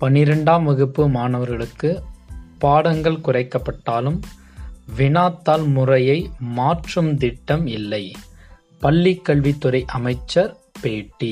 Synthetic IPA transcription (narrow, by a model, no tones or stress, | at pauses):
pɐnːɪɾɐɳɖaːmʋɐɣɯpːɯmaːnɐʋɐɾɣɐɭɯkːɯpaːɽɐŋɡɐɭkʊrɐɪkːɐpːɐʈːaːlɯm | ʋɪnaːt̪ːaːlmʊrɐjɐɪmaːʈrɯmd̪ɪʈːɐmɪlːɐɪ | pɐɭːikːɐɭʋit̪ːʊɾɐɪʔɐmɐɪt͡ʃːɐɾ | peːʈːi